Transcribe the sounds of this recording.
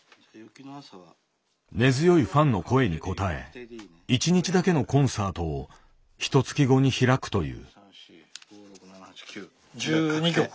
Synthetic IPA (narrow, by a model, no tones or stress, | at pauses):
ne̞zɨjo̞iɸãnːo̞ko̞e̞ɲ̟iko̞t̪ae̞̰ | it͡ɕiɲ̟it͡ɕid̪ake̞no̞kõ̞ɰ̃saːt̪o̞ː | çi̥t̪o̞t͡sɨ̥kʲiɡo̞ɲ̟içiɾakɯ̟̥t̪o̞jɯ̟̰ː